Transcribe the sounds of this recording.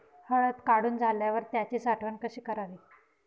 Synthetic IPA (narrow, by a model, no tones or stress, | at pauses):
həɭət̪kaɽuːnd͡zʱaljaʋəɾt̪jat͡ɕiːsaʈʰʋəɳkəɕiːkəɾaʋiː